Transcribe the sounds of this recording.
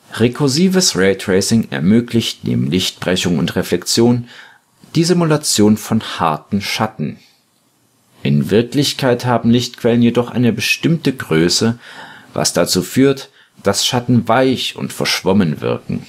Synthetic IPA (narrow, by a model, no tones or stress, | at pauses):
ʁekʰʊziːvəsʁɛːtʁ̥ɛɪsɪŋɛ̰ɐmøːklɪçtnḛːbm̩lɪçt̚b̥ʁɛçʊŋʊ̰ntʁeflɛkt͡sjoːn | d̥iːzimulat͡sjoːnfɔnha̰ɐtn̩ʃatn̩ | ʔɪnvɪɐklɪçkʰaɪthaːbm̩lɪçtkv̥ɛlənjedɔχʔa̰ɪnəbəʃtɪmtəɡʁøːsəva̰sd̥at͡suːfyːɐt | d̥asʃatn̩vaɪçʊ̰ntfɛɐʃv̥ɔmənvɪ̰ɐkŋ̩